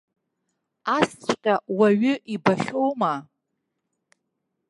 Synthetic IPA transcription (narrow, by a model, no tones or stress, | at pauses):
ast͡ʃʷʰʼqʲʼawaɥʏʔibaχʲo̞wma